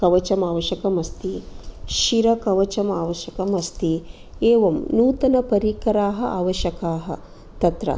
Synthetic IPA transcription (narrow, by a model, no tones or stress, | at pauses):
kɐʋɐt͡ʃɐmaːʋɐʃɐkɐmɐst̪iʃiɾɐkɐʋɐt͡ʃɐmaːʋɐʃjɐkɐmɐst̪i | eːʋɐmnuːt̪ɐnɐpɐɾiːkɐɾaːɦɐ̆a̰ːʋɐʃɐkaːɦɐ̰ | t̪ɐt̪ɾɐ̰